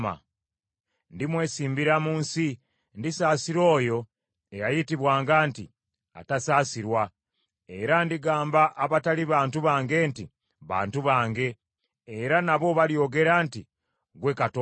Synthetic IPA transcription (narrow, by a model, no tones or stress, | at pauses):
ma̰ | ndimwe̞ːsiːmbiɾamuːnsi | ndisaːsiɾo̞ːjo̞ | ejajitiβwaːŋɡaːnti | a̰tasaːsiɾwa | eɾandiɡaːmbaʔːβataliβaːntuβaːŋɡe̞ːnti | βa̰ːntuβaːŋɡe̞ | eɾanaβo̞βaljo̞ɡe̞ɾaːnti | ɡwe̞kato